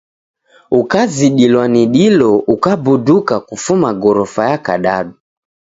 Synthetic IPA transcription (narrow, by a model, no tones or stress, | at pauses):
ukaziɗilwaniɗilɔukabudukakufumaɡɔɾɔfajaka̰ɗaɗu